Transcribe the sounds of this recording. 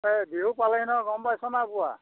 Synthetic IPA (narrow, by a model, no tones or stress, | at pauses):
ebiɦupalainɔɡɔmbajsɔnabua̰